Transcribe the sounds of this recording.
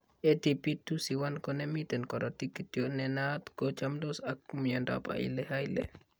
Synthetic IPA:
etipitusiwankɔnɛmitɛnkɔɾɔtikːitjonɛnat̪kɔt͡ʃamdosakːumiandɔ̰pa̰ḭlɛhajlɛ̰

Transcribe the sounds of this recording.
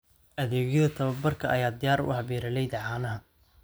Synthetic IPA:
ʔɐðɛːɣjɐðɐt̪ʰɐβɐbɐrkʰɐɐjaːd̪ɪjaːɾʊ̰hɐβiːɾɐlɛjðɐʕaːnɐɦɐ

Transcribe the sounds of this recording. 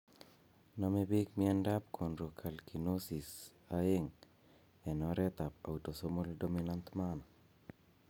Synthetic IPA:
nɔmebikmiɛndap̚kʰonɾokʰalkʰinosis | aɪŋ | ɛnɔɾɛt̪apa̰utosomoldominant̪manɔ

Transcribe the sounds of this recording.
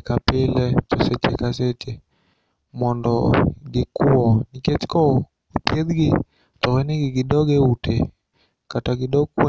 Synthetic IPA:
kapɪlɛt͡ʃɔsɛt͡ʃḛkaset͡ʃe | mɔndɔ̰ɡɪkuɔniket͡ʃkɔ | opjed̪ɡɪ | t̪ɔwɛniɡɪɡɪdɔɡeutʰḛ | kataɡɪdɔɡkwo

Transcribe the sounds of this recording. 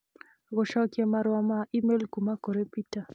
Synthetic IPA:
ɡɔʃɔkjemaɾwɔmaʔimelkumakoɾepita

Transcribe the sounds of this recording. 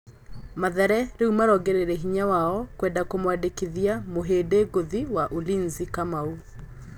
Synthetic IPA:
maðɛɾɛɾeumaɾɔɡɛɾeɾɛɦiɲawaɔkwɛːndakomwadekeðiamoɦeːdeɡoðiwaʔolinzikamau

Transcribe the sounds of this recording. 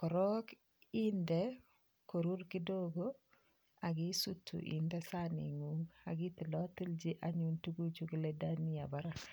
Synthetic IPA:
kɔɾɔk | indɛ | koɾuɾkidoɡo | aɡisutʰːṵʔḭndɛsanḭŋuŋa̰ɡitilɔtild͡ʒiʔaɲuntuɡut͡ʃuɡiledaniabaɾak

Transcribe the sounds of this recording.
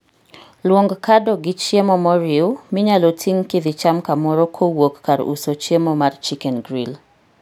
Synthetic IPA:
lwoŋɡkadɔɡɪt͡ʃjemɔmɔɾɪʊmɪɲalotʰiŋkɪd̪ɪt͡ʃamkamɔɾɔkʰowokːaɾṵsot͡ʃjemomart͡ʃikɛnɡɾil

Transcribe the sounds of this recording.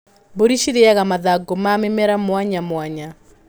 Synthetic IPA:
boɾiʃiɾeaɣamaðaɡomamemɛɾamwaɲamwaɲa

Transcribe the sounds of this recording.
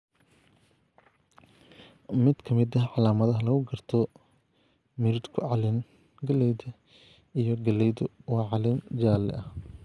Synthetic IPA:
mɪd̪kʰɐmɪd̪ɐʕɑlaːmɐðɐɦɐlɐɣʊɡɐrt̪ʰɔ | mɪɾɪd̪kʰʊʕɑlɪn | ɡɐlɛjðɐ | ijɔɡɐlɛjðʊwɑʕɑlɪnd͡ʒaːlɛ̰ʔɐh

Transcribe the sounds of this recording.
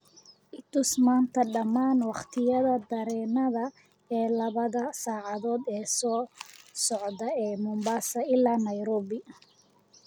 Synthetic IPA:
ʔɪt̪ʊsmaːnt̪ʰɐɖɐmːaːnwɑχt̪ʰɪjɐðɐd̪ɐɾɛːnɐðɐ | ɛːlɐβɐðɐsaːʕɑðɔːd̪ɛːsɔːsɔʕðɐɛːmʊmbaːsɐɪlːaːnɐjɾɔːβɪ

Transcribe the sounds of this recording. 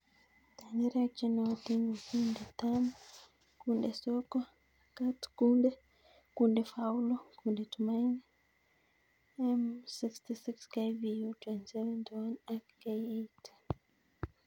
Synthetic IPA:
taniɾak̚t͡ʃɛnɔtiŋɡɔkundɛtam | kundɛsɔkɔ | katkundɛ | kundɛfawlɔkundɛtumajni | ɛmsikstisikskajvijutwɛntsɛvɛntwɔnakkajejt

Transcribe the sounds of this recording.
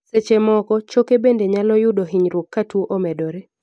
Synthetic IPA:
set͡ʃemɔkɔt͡ʃokebendeɲalɔjʊdoɦiɲɾokːatwoʔomɛdɔɾe

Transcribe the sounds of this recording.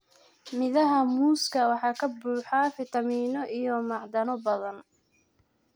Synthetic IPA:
mɪðɐɦɐmuːskʰɐwɑħɑːkʰɐbuːħɑfɪt̪ʰɐmiːnɔʔijɔmɑʕd̪ɐnɔbɐðɐn

